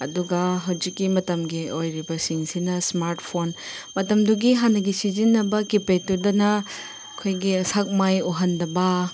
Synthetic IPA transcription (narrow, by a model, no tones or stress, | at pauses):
ɐ̰duɡɐɦɐwzikːimɐtɐmɡiojɾibɐsiŋsinɐsmaɾtpʰon | mɐtɐmduɡiɦanːɐɡisizinːɐbɐkipetudɐnɐ | ɐkʰojɡiɐsak̚majoɦɐndɐbɐ